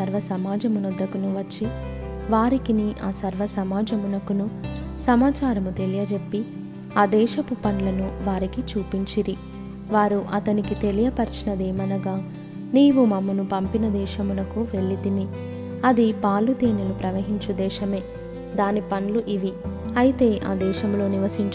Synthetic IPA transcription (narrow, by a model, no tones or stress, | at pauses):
sɐɾʋɐsɐmaːd͡ʒɐmunɔd̪ːɐkunuʋɐt͡ʃːi | ʋaːɾikiniʔaːsɐɾʋɐsɐmaːd͡ʒɐmunɐkunu | sɐmaːt͡ʃaːɾɐmut̪e̞lijɐd͡ʒe̞pːi | aːd̪ɛːʃɐpupɐnlɐnuʋaːɾikit͡ʃuːpiɲt͡ʃiɾi | ʋaːɾuʔɐt̪ɐnikit̪e̞lijɐpɐɾt͡ʃɐnɐd̪ɛːmɐnɐɡaː | niːʋumɐmːɐnupɐmpinɐd̪ɛːʃɐmunɐkuʋe̞ɭːit̪imi | ɐd̪ipaːlut̪eːnɐlupɾɐʋɐɦiɲt͡ʃud̪ɛːʃɐme̞ː | d̪aːnipɐnluʔiʋiɐjit̪e̞ːʔaːd̪ɛːʃɐmlo̞ːniʋɐsiɲt͡ʃ